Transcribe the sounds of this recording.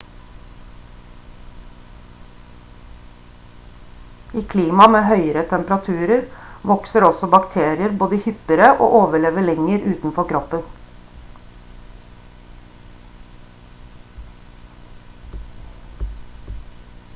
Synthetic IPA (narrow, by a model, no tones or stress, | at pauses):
iːkʰliːmɑmeːhœʏəɾət̪ʰɛmpəɾɑt̪ʰʉːɾəɾʋɔksəɾɔsɔbɑkt̪ʰeːɾɪəɾboːd̪əhʏpəɾəʔo̰ːʔoːʋəɭeːʋəɭɛŋəɾʔʉːt̪n̩fɔɾkʰɾɔpːən